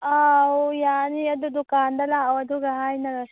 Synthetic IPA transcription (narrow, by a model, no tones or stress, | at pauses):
aːɦojaːnijɐd̪ud̪ʊkaːnd̪ɐlaɐwɐd̪uɡɐɦaːinɐlɐ